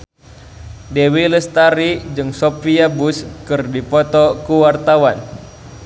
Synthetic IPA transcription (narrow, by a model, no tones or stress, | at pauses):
dɛwiləst̪aɾid͡ʒɨŋsopiabuskɨrdipɔt̪ɔkuwart̪awan